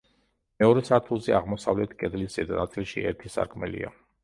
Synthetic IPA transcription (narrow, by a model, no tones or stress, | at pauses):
mɛɔɾɛsat̪ʰulˠzɛaʁmɔsavlɛt̪ʰkʼɛd̪liszɛd̪anat̪sʼilˠʃiɛ̰ɾt̪ʰisa̰ɾkʰmɛlḭa̰